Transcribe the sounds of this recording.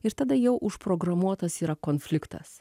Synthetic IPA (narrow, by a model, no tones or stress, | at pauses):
ɪɾt̪ɐd̪ɐjɛʊʔʊʃpɾoːɡɾɐmuɔt̪ɐsiːɾɐkoːnfʲlʲɪkt̪ɐ̰s